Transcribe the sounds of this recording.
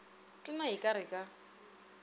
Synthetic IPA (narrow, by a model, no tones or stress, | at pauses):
tʼʊnaikʼaɾɪkʼa